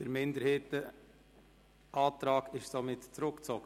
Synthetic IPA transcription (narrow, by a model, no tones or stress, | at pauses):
d̥əɾmɪnd̪əɾheːtə | ʔɑːt̪ɾɑːɡɪʃsomɪtt͡sɾʊkt͡sɔɡ̥ə